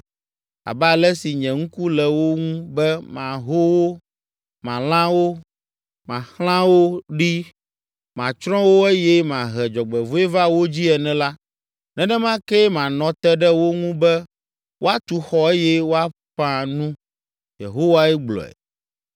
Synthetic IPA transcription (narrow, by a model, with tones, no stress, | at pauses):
a̰˨bɛ˦a˨lɛ˦si˨ɲɛ̃˨ŋ̩̃˦ku˦lɛ˨wo˦ŋũ˦bɛ˦mã˨ɦo˦wo˦ | mã˨lã˦wo˦ | mã˨xl̃ã˦wo˦ɖi˦ | mã̰˨t͡ʃɾɔ̃˦wo˦e˦jɛ˦mã˨ɦɛ˨d͡ʒɔ˨ɡ͡bɛ˨vo˦e˦va˦wo˦d͡ʑi˦ɛ˨nɛ̃˦la˦ | nɛ̃˨nɛ̃˦mã˦kɛ˦mã˨nɔ̃˨t̪ɛ˦ɖɛ˦wo˦ŋũ˦bɛ˦ | wʔo˦a˦t̪u˨xɔ˦e˦jɛ˦wo˦a˦ɸã˦nũ˦ | jḛ˨ɦo˦wa˦ɛ˦ɡ͡blɔ̰˨ɛ̰˨